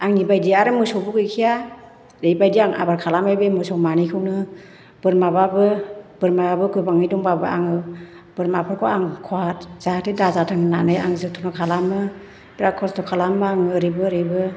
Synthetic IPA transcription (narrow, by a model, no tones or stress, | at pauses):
aŋnibajdiaɾɯmɯsɔwbuɡɯjkʰija | ɾejbajdiaŋa̰baɾkʰalamajbemɯsɔwmanijkʰɯwnɯ | b̥ɯɾmababɯb̥ɯɾmababɯɡɯbaŋɯjdɔŋbabɯa̰ŋɯ | b̥ɯɾmapʰɯɾkʰɔaŋkʰɔatz̥atedazatʰɯŋnanɯja̰ŋzɯk̚tʰɔnɔkʰalamɯ | bɾakʰɔstɔkʰalamɯaŋɯɾebɯɾebɯ